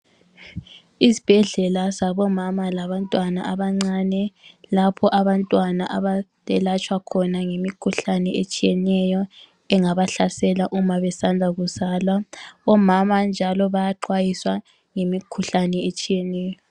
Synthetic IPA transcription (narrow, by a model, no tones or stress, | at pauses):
isi̥b̥ʱɛɮɛlasaβɔmamalaβantʼwanaʔaβaŋ͡ǀanɛlapʰɔʔaβantʼwanaʔaβatʼɛlat͡ʃʼwakʰɔnaŋemikʰuɬanɛet͡ʃʼijɛnɛjɔ | ɛŋaβaɬasɛlaʔumaβɛsand͡zʱaɣuzaːlwaɔmamand͡ʒʱalɔβajaǃwajiswa | ŋemikʰuɬanɛet͡ʃʼijɛnɛːjjɔ